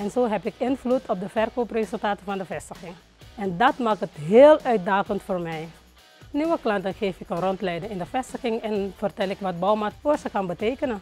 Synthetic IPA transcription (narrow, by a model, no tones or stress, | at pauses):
ɛnzoːɦɛpɪkɪnflutʰɔp̚dəvɛrkoːprezɵlˠtaːtəvɑndəfɛstəxɪŋ | ɛndɑtmaːkətɦeːlœɥt̚daːkəntfoːrmɛj | niʋəklɑntənxeːfɪkənrɔntlɛjdəŋɪndəfɛstəxɪŋɛnfərtɛlɪkʋɑt̚bɔwmatfoːsəkɑnbəteːkənə